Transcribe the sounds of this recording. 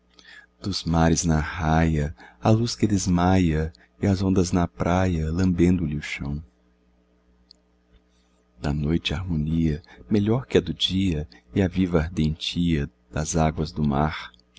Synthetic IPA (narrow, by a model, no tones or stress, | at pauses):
d̪̥ʊzmaɾɪznɐhajɐɐluskɪd̪ezmajɐ | ɪɐzõnd̪ɐznɐpɾajɐlɐ̃mbẽnd̪ʊlɪʊʃɐ̃w̃ | d̪̥ɐnojt͡ʃɪaɾmõniɐmeʎɔɾkɪɛd̪ʊd͡ʒiɐɪɐvivɐaɾd̪ẽnt͡ʃiɐ | d̪̥ɐzaɡwɐzd̪ʊmaɾ